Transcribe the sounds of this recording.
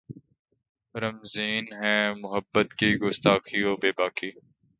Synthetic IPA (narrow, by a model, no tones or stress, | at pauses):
ɾəmziːnɦɛ̃ːmʊɦəbːət̪kiɡʊst̪aːkioːbeːbaːkiː